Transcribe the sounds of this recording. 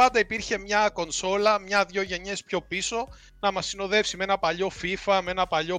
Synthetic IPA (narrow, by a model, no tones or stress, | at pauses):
ɐnd̪ɐipiɾçe̞mɲɐko̞nso̞lɐmɲɐðʝo̞ʝe̞ɲe̞spço̞piso̞ | nɐmɐsːino̞ðe̞fsime̞nɐpɐʎo̞fifɐmee̞nɐpɐʎo̞